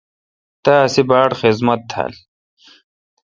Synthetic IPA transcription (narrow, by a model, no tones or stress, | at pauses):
t̪aːsibaːɽxizmɐt̪ʰːa̰ːl